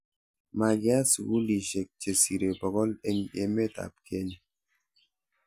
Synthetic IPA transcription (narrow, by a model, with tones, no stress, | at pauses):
ma˨ɡi˨˦a˦su˨ɡu˦li˨ʃe˨k̚t͡ʃe˨si˨ɾe˨bɔ˨ɡɔ˦le˦ɲḛ˨me˦ta̰˨p̚ke˦ɲe˨